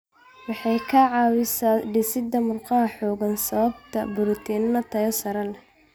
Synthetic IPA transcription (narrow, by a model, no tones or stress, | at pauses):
wɑħɑjkʰɐʕɑːwɪsaːɖɪsɪd̪ɐmʊrqɑɦɐħɔːɣɐnsɐβɐbt̪ʰɐbʊɾʊt̪ʰiːnnɐt̪ʰɐjɔsɐɾɐl